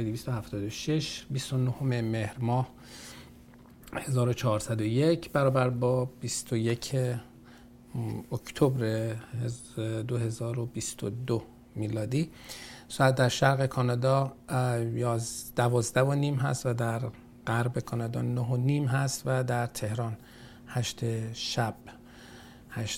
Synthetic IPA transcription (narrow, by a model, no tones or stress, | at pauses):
d̪iviːst̪ohæft̪ʰɒːd̪oʃeʃbist̪o̞nohomeme̞hɾmɒːh | he̞zɒːɾo̞t͡ʃʰɒːɾsæd̪ojecʰbæɾɒːbæɾbɒːb̥ist̪oje̞cʰe | ocʰt̪ʰobɾehd̪oɦe̞zɒːɾobist̪o̰d̪o | miːlɒːd̪iːsɔːæt̪̚d̪æɾʃæɾɣe̞kʰɒːnɒːd̪ɒː | jɒːzd̪̥ævɒːzd̪ævoniːmɦæ̰st̪væd̪æɾ | ɢæɾbe̞kʰɒːnɒd̪ɒ̰ːnoɦoniːmɦæst̪væd̪æɾt̪ʰe̞hɾɒːn | hæʃt̪ʰeʃæb̥ | hæʃ